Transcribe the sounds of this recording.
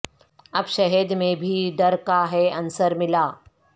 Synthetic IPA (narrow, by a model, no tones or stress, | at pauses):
ɐbʃɐɦəd̪mẽbʱiɖɐɾkaɦɛɐ̃nsəɾmɪlaː